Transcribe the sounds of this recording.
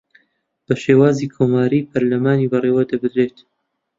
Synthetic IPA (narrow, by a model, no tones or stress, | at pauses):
b̥ɐʃeːwaːziːkʰoːmaːɾiːpʰɐɾlɐmaːniːbɐreːwɐd̪ɐbɨd̪ɾeːt̪